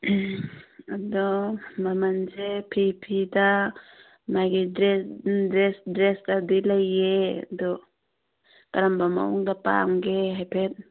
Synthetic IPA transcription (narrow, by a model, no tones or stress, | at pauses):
adɔmamand͡ʒepʰipʰida | majɡidɾɛdɾɛsdɾɛsdadilajedɔ | kaɾambama̰ṵŋdapa̰ŋɡeɦajpʰɛt̚